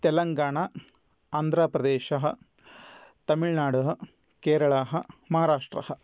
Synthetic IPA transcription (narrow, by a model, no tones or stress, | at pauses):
t̪ɛlɐŋɡaːɳɐ | aːnd̪ʱɾaːpɾɐd̪eːʃɐɦɐ | t̪ɐmiɭnaːɽuɦɐ | keːɾɐɭaːɦɐmɐɦaːɾaːʂʈɾɐ̰hɐ